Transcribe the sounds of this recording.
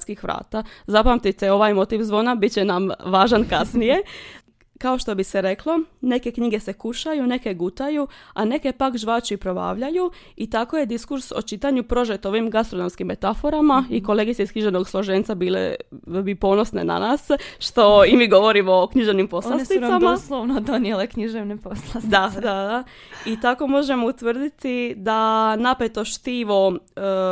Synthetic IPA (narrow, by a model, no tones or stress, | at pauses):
skixʋɾa̰ːt̪azapamt̪it̪eo̞ʋaːjmo̞t̪iʋzʋo̞ːnabit͡ɕenamʋaːʒankasnije̞ | kao̞ʃt̪o̞biseɾe̞klˠo̞ne̞ke̞kɲiɡe̞se̞kuʃajune̞ke̞ɡut̪ajuane̞ke̞pakʒʋaːt͡ʃipɾo̞ba̰ːʋʎajuit̪ako̞je̞d̪iskuɾsot͡ʃit̪aɲupɾo̞ʒet̪o̞ʋimɡast̪ɾono̞mskimːe̞t̪afo̞ɾamaiko̞lˠe̞ɡit̪seiskɲiʒe̞ʋno̞ɡslˠo̞ʒent̪sabiːlḛbipo̞no̞sne̞̰na̰naːsʃt̪o̞imiːɡo̞ʋo̞ɾimookɲiʒeʋnimpo̞slasiaamasloʋnod̪onijelekɲiʒeʋneposlˠasd̪ad̪ad̪a | it̪ako̞mo̞ʒe̞mout̪ʋər̩d̪it̪id̪anapet̪o̞ʃt̪iʋo̞